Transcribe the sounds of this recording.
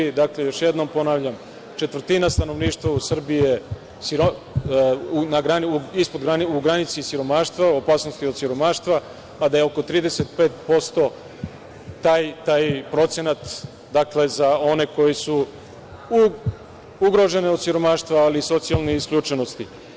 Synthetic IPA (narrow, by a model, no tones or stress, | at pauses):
id̪aklejo̞ʃjed̪no̞mpo̞naʋʎam | t͡ʃe̞t̪vr̩t̪inast̪ano̞ʋniːʃt̪ʋausr̩bije | siɾo | unaɡɾanuispo̞d̪ɡɾaniuɡɾanit̪sisiɾo̞maːʃt̪ʋaopaːsnost̪iod̪siɾo̞maːʃt̪ʋa | pad̪ajeo̞ko̞t̪ɾiːd̪ese̞t̪̚pe̞ːt̪po̞st̪o̞ | t̪aːjt̪aːjpɾo̞t̪senat̪ | d̪akle̞zao̞ne̞ko̞jesu | u | uɡɾo̞ʒe̞neo̞d̪siɾo̞maːʃt̪ʋaːliso̞t̪sijalˠneiskʎʲut͡ʃenost̪i